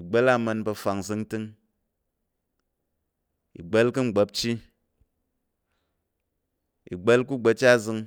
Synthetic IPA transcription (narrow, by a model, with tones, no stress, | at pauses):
i˨ɡ͡be˦la˦mɐ˧nbɐ˧fa˨ŋzɨ˧ŋtɨ˧ŋ | ḭ˨ɡ͡be˦lkɨ˦ŋ͡m̩˨ɡ͡be˧˦p̚t͡ʃi˦ | ḭ˨ɡ͡be˦lku˦ɡ͡be˧t͡ʃa˦zɨ˧ŋ